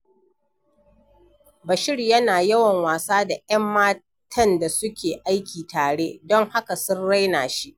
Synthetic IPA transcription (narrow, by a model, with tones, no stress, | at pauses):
bɐ˨ʃɪ˦rjɐ˦naː˨jɐ˦wɐ˨ŋwaː˨saː˦da˨ʔɐ˦mːaː˦ | tʰɐ˦nda˨sʊ˦kʲeː˨ʔa˦jkʲiː˨taː˨ɽeː˦dɔ˦ŋha˦ka˨sʊ˦nɽa˦jnaː˨ʃi˦ʔ